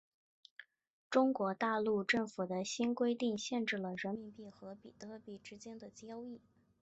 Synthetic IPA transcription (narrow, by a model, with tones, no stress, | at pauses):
ʈ͡ʂʊ˥ŋkwɔ˧˥t̪a˥˧lu˥˧ʈ͡ʂɤ˥˩ŋfu˨˩d̪ə˦ɕi˥nkwe˥ɪt̪i˥˧ŋɕjɛ˥˧nʈ͡ʂɻ̩˥˩lə˩ɻə˧˥nmi˧˥npi˥˩xɤ˧˥pḭ˨˩t̪ɤ˧˥pi˨˩ʈ͡ʂɻ̩˥t͡ɕjɛ˥nd̪ə˨t͡ɕjɑ˥ʊi˥˩